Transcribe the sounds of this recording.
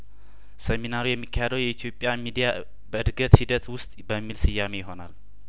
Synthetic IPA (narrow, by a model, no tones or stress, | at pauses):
sɛminaɾujɛmːikʰːahed̪əwjɛit̪ʰjo̞pʼːjamid̪ija | bəɨd̪ɡət̪hid̪ət̪wʊst̪ʼbəmːilsɨjːamejɪɦo̞nal